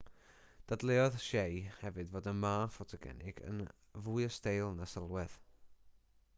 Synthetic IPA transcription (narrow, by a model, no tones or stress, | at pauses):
d̥adlˠɛɔðʃejhɛvɨdvoːdənmaːfɔtʰaɡɛ̰nɪ̰ɡ̥ə̰n | vujəstejlˠnasəlˠwɛð̥